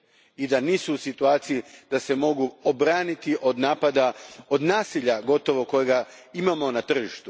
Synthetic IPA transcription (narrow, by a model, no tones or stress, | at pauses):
id̪aniːsuːsit̪uaːt̪sijid̪̥ase̞mo̞ɡuobɾaːnit̪iʔo̞d̪naːpad̪ao̞d̪naːsiʎaɡo̞t̪o̞ʋo̞ko̞jeɡa | imamo̞nat̪r̩ʒiʃt̪u